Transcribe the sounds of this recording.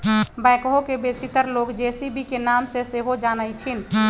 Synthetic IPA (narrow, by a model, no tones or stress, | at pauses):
bajkɦokebesit̪əɾloːkd͡ʒesibikenaːmseseɦod͡ʒaːnəɪt͡ʃʰin